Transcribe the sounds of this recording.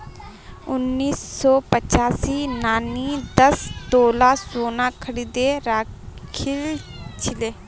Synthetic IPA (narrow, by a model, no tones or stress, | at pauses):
ʊnːiːsːɔːpət͡ʃaːsinaːnid̪əst̪oːlasoːnakʰəɽiːd̪eɾaːkʰɪlt͡ʃʰɪleː